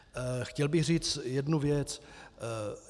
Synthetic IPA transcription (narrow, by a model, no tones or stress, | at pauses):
xcɛlbɪxriːt͡sjɛdnuvjɛt͡s